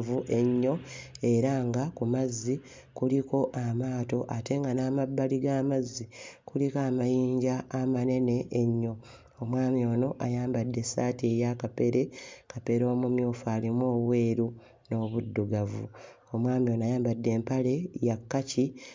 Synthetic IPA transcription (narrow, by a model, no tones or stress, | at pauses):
vuʔe̞ɲːo̞e̞ɾaŋɡakumazːi | kuliko̞ʔamaːto̞ʔate̞ŋɡanaːmabːaliɡaːmazːikulikaːmajiːɲɟaːmane̞ne̞ːɲːo̞ | omwaːmjo̞ːno̞ʔajaːmbadːe̞saːtiejakape̞ɾe̞kape̞ɾo̞ːmumjoːfaːlimo̞ːβwe̞ːɾu | no̞ːβudːuɡavṵ | omwaːmio̞ːnoajaːmbadːe̞ːmpale̞jakːaci